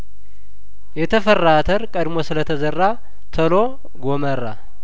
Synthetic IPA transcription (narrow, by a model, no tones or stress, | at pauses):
jɛt̪ʰəfərːat̪ʰəɾkʼəd̪mosɨlət̪ʰəzərːa | t̪ʰəlo | ɡoməra